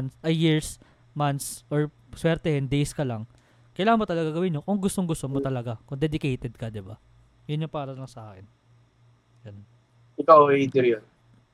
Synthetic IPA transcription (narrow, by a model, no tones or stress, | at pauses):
nsʔɐjːiɹs | mant̪sʔoɹ | swɛɾt̪ɛhɪnd̪ejskɐlaŋ | kɐjlaːhɐnmot̪ɐlɐɡaɡɐwɪnːokʊŋɡʊst̪oŋɡʊst̪omot̪ɐlɐɡakʊŋd̪ɛd̪ɪkɛjt̪ɛd̪̚kɐd̪ɪba | jʊnjʊŋpɐaːɾɐlɐŋsɐʔaːkɛn | jɐnn | ɪk̪aʔoɛid̪ɪɾjon